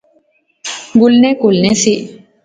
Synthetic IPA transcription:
ɡʊlnekulnesi

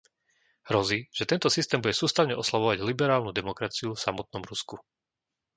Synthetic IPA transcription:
ɦɾɔziʒ̥ɛt̪ɛnt̪ɔsist̪ɛːmbuɟɛsuːst̪aʊɲɛʔɔslaʋɔʋaɟlibɛɾaːlnud̪ɛmɔkɾat͡siufsamɔt̪̚nɔmɾusku

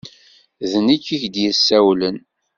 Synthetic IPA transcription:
ðənikːiçd̪jəsːæwlən

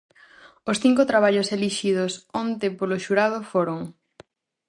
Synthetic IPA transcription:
osθiŋkʊt̪ɾaβ̞aʎoseliʃiðosont̪epoloʃuɾað̞ofoɾoŋ

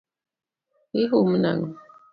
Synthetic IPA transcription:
iɦuməna̰ŋ

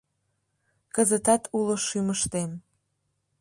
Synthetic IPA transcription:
kəzət̪ɑt̪ʰuloʃyməʃt̪em

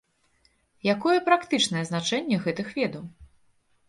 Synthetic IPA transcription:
jakɔjɛpɾakt̪ɨt͡ʂnɐjɛznat͡ʂɛnʲːɛɣɛt̪ɨxvʲɛd̪ɐw

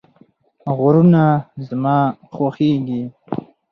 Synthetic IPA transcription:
ɣʊɾunazmɑːxwaxeɡi

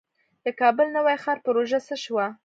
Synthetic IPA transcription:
d̪̥əkɑbəlnəwajxɑɾpəɾoʒasəʃwa

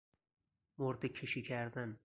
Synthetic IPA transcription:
moɾt̪ɪkʲʰɪʃɪkʲʰaɾd̪an

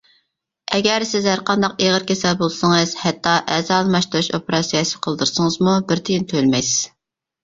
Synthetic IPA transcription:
ɛɡʲɛɾsɪzhæɾqɑnd̪ɑqeʁəɾkʲesɛlbolˠsəŋɨz̥hɛt̪ːɑʔɛzɑlˠmɑʃt̪uɾuʃopɪɾɑsijɑsɨ̥qʰəlˠd̪ɨɾsəŋəzmubɪɾt̪ʰijint̪ʰølmɛjsɪz̥

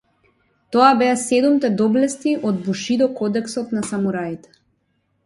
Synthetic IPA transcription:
t̪ɔabɛasɛd̪umt̪ɛd̪ɔblɛst̪iʔɔd̪̚buʃid̪ɔkɔd̪ɛksɔt̪nasamuɾait̪ɛ̥

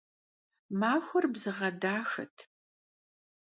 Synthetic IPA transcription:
maːxʷʊrbzɨʁɐdaːxɐ̰tʰ

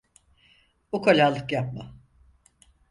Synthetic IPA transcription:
bukʰolʲaːlˠɯkjap̚ma

